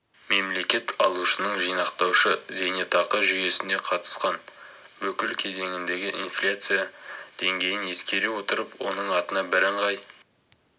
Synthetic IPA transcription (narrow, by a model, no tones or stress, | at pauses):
me̞mle̞kʲe̞t̪ʰɑlˠuʃənəɴʒijnɑqt̪ɑwʃəze̞net̪ɑqəʒʏje̞sɪnd̪e̞qʰɑt̪ə̥sqɑn | bɵkʲɪlkʲʰe̞ze̞ŋɪnd̪e̞ɡʲɪʔinflʲat̪sɨjad̪̥e̞ŋɡʲe̞jɪne̞skʲe̞ɾewo̞t̪əɾəpwo̞̰nəɴɑt̪ənɑbɪɾəɴʁɑj